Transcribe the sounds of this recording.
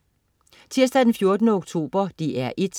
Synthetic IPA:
t͡sʰiɐ̰sd̥æd̥enfjo̝ɐd̥ənəoɡ̥̚t͡sʰo̝̰ːb̥ɐd̥iʔæɐʔed̥

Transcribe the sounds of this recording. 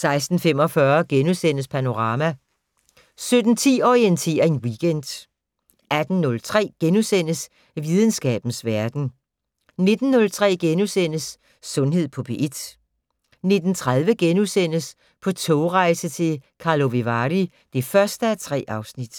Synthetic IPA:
sɑ̈ɪsd̥n̩fem̰ɒ̽fɶɐɡ̥enusen̰əspʰæno̝ʁɑ̈ːmæ | sød̥n̩t͡sʰḭːɒʁient͡sʰe̝̰ːɐe̝nwiɡ̥en̰d̥ | ʔæd̥n̩ːɔ̽lt͡sʰʁɛ̰ːɡ̥enusen̰əs | ʋiðˠən̩sɡ̥ɛ̰ːb̥n̩sʋæɐd̥n̩ | ne̝d̥n̩ːɔ̽lt͡sʰʁɛ̰ːɡ̥enusen̰əsː | ɔ̽nɦe̝ð̞̰ˠpʰɔ̽b̥ʰe̝ʔe̝d̥ | ne̝d̥n̩t͡sʰʁɑ̈ð̞ˠʋəɡ̥enusen̰əs | pʰɒ̽t͡sʰɔʊʁɑ̈ɪsət͡sʰe̝lkʰɑ̈lo̝ʋe̝ʋɑʁi | d̥e̝fɶɐsd̥əæt͡sʰʁɛ̰ːʔɑ̈ʊsnid̥

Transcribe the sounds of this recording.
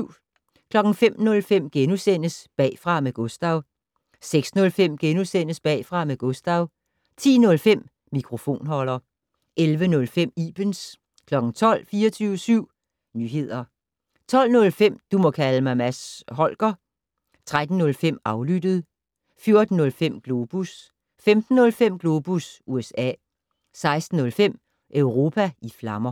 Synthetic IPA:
kʰlɒ̽ɡ̥ŋ̩fem̰nɔ̽lfem̰ɡ̥enusen̰əsb̥ɛ̰ːfʁɑ̈meɡ̥ɔ̽sd̥ɑ̈ʊ | seɡ̥snɔ̽lfem̰ɡ̥enusen̰əsb̥ɛ̰ːfʁɑ̈meɡ̥ɔ̽sd̥ɑ̈ʊ | t͡sʰḭːnɔ̽lfem̰ | mikʰʁo̝fo̝̰ːnɦɒ̽lɐ | ʔelʋənɔ̽lfem̰iːb̥əns | kʰlɒ̽ɡ̥ŋ̩t͡sʰɒ̽l̰fiːɐt͡sʰyːʊəsyʊ̰ | nyɦe̝ð̰ˠɐ | t͡sʰɒ̽l̰nɔ̽lfem̰d̥umɒ̽kʰæləmɑ̈ɪmæsɦɒ̽l̰ɡ̥ɐ | t͡sʰʁad̥n̩ːɔ̽lfem̰ɑ̈ʊlyd̥əð̞̩ˠ | fjo̝ɐd̥n̩ːɔ̽lfem̰ɡ̥lo̝ːb̥us | femd̥n̩ːɔ̽lfem̰ɡ̥lo̝ːb̥usʔuesɛ̰ː | sɑ̈ɪsd̥n̩ːɔ̽lfem̰ | ʔœʊʁo̝ːpʰæiflɑ̈mɐ

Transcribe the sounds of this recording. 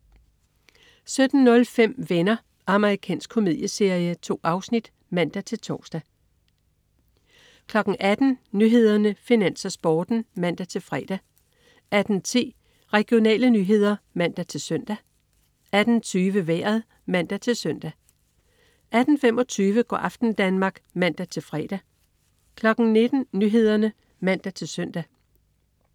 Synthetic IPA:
sød̥n̩ːɔ̽lfem̰ʋenɐ | ʔɑ̈məʁikʰɛ̰ːnsɡ̥̚kʰo̝mið̰ˠjəse̝ɐijət͡sʰo̝̰ːɑ̈ʊsnid̥ | mæn̰d̥æt͡sʰe̝lt͡sʰɒːsd̥æ | kʰlɒ̽ɡ̥n̩ŋ̩ʔæd̥n̩nyɦe̝ð̞ˠɐnəfinæn̰sɐsb̥ɒːd̥n̩mæn̰d̥æt͡sʰe̝lfʁɛːd̥æ | ʔæd̥n̩t͡sʰi̝̰ː | ʁɛɡ̥io̝nɛ̰ːlənyɦe̝ð̞ˠɐmæn̰d̥æt͡sʰe̝lsœn̰d̥æ | ʔæd̥n̩t͡sʰyːʋəʋæ̰ɐðˠ | mæn̰d̥æt͡sʰe̝lsœn̰d̥æ | ʔæd̥n̩fem̰ɒ̽t͡sʰyːʋəɡ̥ɒ̰ːʔɑ̈fd̥n̩d̥ænmɑ̈ːɡ̥mæn̰d̥æt͡sʰe̝lfʁɛːd̥æ | kʰlɒ̽ɡ̥ŋ̩ne̝d̥n̩nyːɦe̝ð̞ˠɐnə | mæn̰d̥æt͡sʰe̝lsœn̰d̥æ

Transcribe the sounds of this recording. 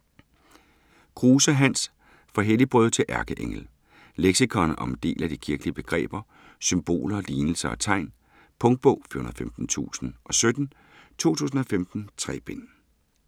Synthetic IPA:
kʰʁuːsəɦæn̰s | fɒ̽ɦelib̥ʁœðˠt͡sʰe̝lʔæɐɡ̥əʔeŋl̩ | leɡ̥sikʰɒnʔɒ̽md̥e̝̰ːlæd̥ikʰiɐɡ̥liəb̥e̝ɡ̥ʁɛ̰ːb̥ɐ | symb̥o̝̰ːlɐliːnl̩sɐɒ̽t͡sʰɑ̈ɪ̰n | pʰɔ̽ŋd̥̚b̥ɔʊ̰fy̰ɐɦunɐðˠfemd̥n̩t͡sʰṵːsn̩ʔɒ̽sød̥n̩ | t͡sʰo̝̰ːt͡sʰṵːs̬n̩ɒ̽femd̥n̩t͡sʰʁɛ̰ːb̥en

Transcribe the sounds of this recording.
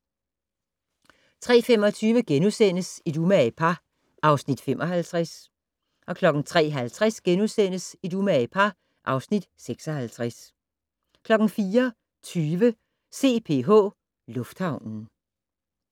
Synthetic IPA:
t͡sʰʁɛ̰ːfem̰ɒ̽t͡sʰyːʋəɡ̥enusen̰əsid̥umæpʰɑ | ʔɑ̈ʊsnid̥femʔɒ̽ɦælt͡sʰʁas | ʔɒ̽kʰlɒ̽ɡ̥n̩t͡sʰʁɛ̰ːɦælt͡sʰʁasɡ̥enusen̰əsid̥umæpʰɑ | ʔɑ̈ʊsnid̥seɡ̥sɒ̽hælt͡sʰʁas | kʰlɒ̽ɡ̥n̩fiːɐ | t͡sʰyːʋə | se̝̰ːpʰe̝̰ːɦɔ̰̽ː | lɔ̽fd̥hɑ̈ʊ̰nn̩

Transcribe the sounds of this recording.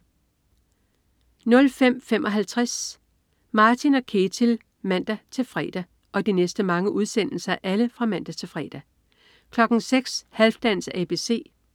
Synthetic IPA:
nɔ̽lfem̰femʔɒ̽ɦælt͡sʰʁas | mɑ̈ːt͡sʰinɒ̽kʰe̝t͡sʰil | mæn̰d̥æt͡sʰe̝lfʁɛ̰ːd̥æ | ʔɒ̽d̥inesd̥əmɑ̈ŋəʔuð̞ˠsen̰l̩sɐæʔæləfʁɑ̈mæn̰d̥æt͡sʰe̝lfʁɛ̰ːd̥æ | kʰlɒ̽ɡ̥n̩seɡ̥shælfd̥æn̰sæːb̥e̝se̝̰ː

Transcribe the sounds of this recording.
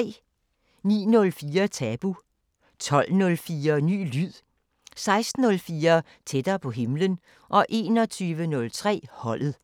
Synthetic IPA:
nḭːnɔ̽lfiːɐt͡sʰɛb̥u | t͡sʰɒ̽l̰nɔ̽lfiːɐny̰ːlyð̰ˠ | sɑ̈ɪsd̥n̩ɔ̽lfiːɐ | t͡sʰed̥ɐːpʰɒ̽ɦe̝mlən | ʔɒ̽ʔe̝ːnɒ̽t͡sʰyːʋənɔ̽lt͡sʰʁɛ̰ːhɒ̽l̰ð̩ˠ

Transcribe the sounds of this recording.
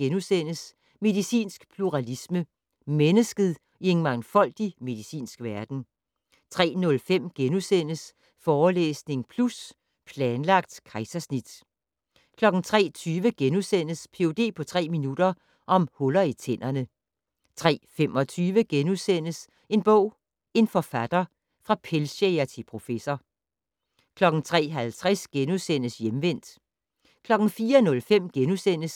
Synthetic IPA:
ɡ̥enusen̰əs | me̝ðˠisḭːnsɡ̥pʰluʁɑlismə | menəsɡ̥əð̩ˠ | ie̝nmɑ̈ŋnfɒ̽l̰d̥ime̝ðˠisḭːnsɡ̥ʋæɐd̥n̩ | t͡sʰʁɛ̰ːnɔ̽lfem̰ɡ̥enusen̰əs | fɒːlḛːsne̝ŋpʰlus | pʰlɛːnlɑ̈ɡ̥̚d̥kʰɑ̈ɪsɐsnid̥ | kʰlɒ̽ɡ̥n̩t͡sʰʁɛ̰ːt͡sʰyːʋəɡ̥enusen̰əspʰe̝od̥e̝̰ːpʰɒ̽t͡sʰʁɛ̰ːminud̥ɐ | ʔɒ̽mhɔlɐit͡sʰen̰ɐnə | t͡sʰʁɛ̰ːfem̰ʔɒ̽t͡sʰyːʋəɡ̥enusen̰əs | e̝nb̥ɔ̰̽ʊ̰ | e̝nfɒ̽fæd̥ɐ | fʁɑ̈pʰelseæt͡sʰe̝pʰʁo̝fesɐ | kʰlɒ̽ɡ̥n̩t͡sʰʁɛ̰ːɦælt͡sʰʁɛsɡ̥enusen̰əsjemʋen̰d̥ | kʰlɒ̽ɡ̥n̩fiːɐnɔ̽lfem̰ɡ̥enusen̰əs

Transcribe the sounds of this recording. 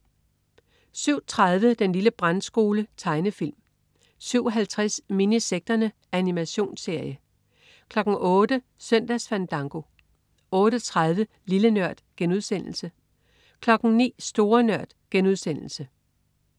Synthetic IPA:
syʊ̰t͡sʰʁað̞ˠʋəd̥enliləb̥ʁansɡ̥o̝ːlət͡sʰɑ̈ɪnəfil̰m | syʊ̰ɒɦælt͡sʰʁasminiseɡ̥̚d̥ɐnə | ænimæɕo̝̰ːnse̝ɐ̰jə | kʰlɒ̽ɡ̥ŋ̩ʔɔ̽ːd̥ə | sœn̰d̥æsfænd̥ɑ̈ŋɡ̥o̝ | ɔ̽ːɾ̥ət͡sʰʁað̞ˠʋə | lilənɶɐ̰d̥ɡ̥enuðˠsen̰l̩sə | kʰlɒ̽ɡ̥n̩nḭːsd̥o̝ːɐnɶɐ̰d̥ɡ̥enuð̞ˠsen̰l̩sə

